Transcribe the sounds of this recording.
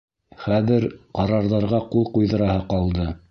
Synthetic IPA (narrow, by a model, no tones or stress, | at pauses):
χæðɘɾqɑɾɑɾðɑɾʁɑqulˠqujðɤ̆ɾɑhɤqɑlˠd̪ɤ